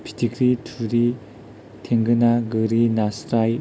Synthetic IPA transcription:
pʰi̥tʰikɾitʰuɾi | tʰeŋɡɯnaɡɯɾinasɾaj

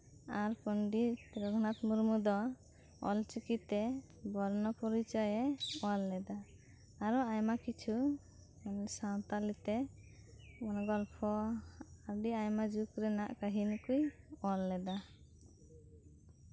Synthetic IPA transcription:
aɾpɔnɖiɾɔɡnat̪muɾmud̪ɔ | ɔ̰lt͡ʃikit̪ːɛ | bɔɾnɔpɔɾit͡ʃɔjɛɔlːɛd̪aː | ɾɔajmakit͡ʃʰu | nsawt̪alit̪ɛ | mɔnɔɡɔlpʰɔaɾɖiajmad͡ʒukɾɛnaʔkaɦinkujɔlːɛd̪a

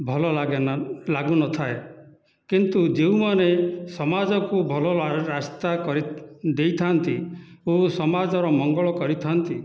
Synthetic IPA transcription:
bʱɔlɔlaɡlaɡunɔt̪ʰae | kint̪ud͡ʒeũmanesɔmad͡ʒɔkubʱɔlɔɾast̪akɔɾid̪ejt̪ʰant̪iosɔmad͡ʒɔɾɔmɔŋɡɔɭɔkɔɾit̪ʰant̪i

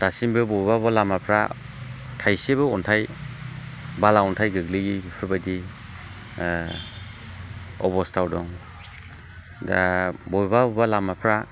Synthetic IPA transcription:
tasimbɯbɔjbabalamapʰɾa̰ | tʰajsebɯɔntʰaj | balaɔntʰajɡɯɡliɡiipʰɯɾbajdi | ɔ̰bɔstawdɔŋ | dabɔjbabbalamapʰɾa

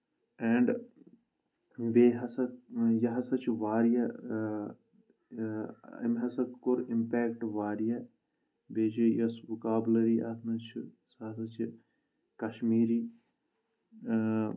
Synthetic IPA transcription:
ɛːɳɖ | ʋeːɦɐsɐjɐɦɐsɐt͡ʃʰʋaːɾijɐ | ḭmɦɐsɐkːoɾimpeːkʈʋaːɾijɐ | beːd͡ʒejɐsʋukaːblɐɾiʔɐt̪ʰnɐt͡ʃʰ | saːsɐt͡ʃʰ | kɐʃmiːɾiː

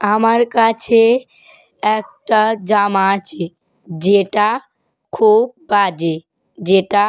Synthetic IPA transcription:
ɦəməɾkat͡ʃʰe | ek̚ʈad͡ʒamat͡ʃʰe | d͡ʒeʈa | kʰub̚bad͡ʒe | d͡ʒeʈa

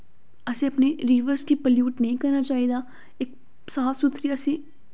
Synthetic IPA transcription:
ɐsẽɐpneɾiːʋəɾskipəljuːʈnəɦĩkɐɾnat͡ʃaːɦid̪aː | ɪk̚ | saːsʊt̪ɾiasĩː

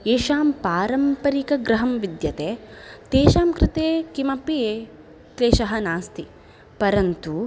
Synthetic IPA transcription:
eːʃaːmpaːɾɐmpɐɾikɐɡɾɐɦɐmʋid̪jɐt̪eːt̪eːʃaːmkɾɪt̪eːkimɐpieː | kleːʃɐɦɐnaːst̪ʰi | pɐɾɐnt̪u

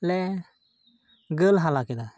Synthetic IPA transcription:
lɛ | ɡəlɦalakid̪a

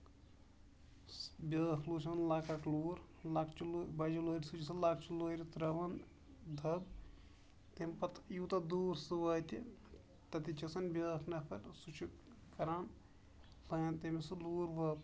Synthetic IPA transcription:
bʲjɐːkʰluːt͡ʃʰɐnlaːkɐʈluːɾ | lakʰt͡ʃulːbɐd͡ʒiloːɾʲsut͡ʃʰis̬ɨlaːk̚ʰt͡ʃuloːɾit̪ɾɐʋɐn | d̪ʱɐb | t̪emʲpɐt̪jut̪ɐd̪uːɾsɨʋɐːt̪ʲi | t̪ɐt̪it͡ʃisɐnbʲɐkʰnɐpʰɐɾsut͡ʃʰu | kɐɾaːn | lɐjɐnt̪emisɨluːɾʋɐ

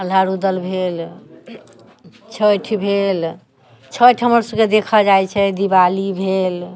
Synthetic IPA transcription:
əl̤aɾud̪əlbʱel | t͡ʃʰəʈʰbʱel | t͡ʃʰəʈʰɦəməɾsəbked̪ekʰəd͡ʒajt͡ʃʰɛd̪ibalibʱel

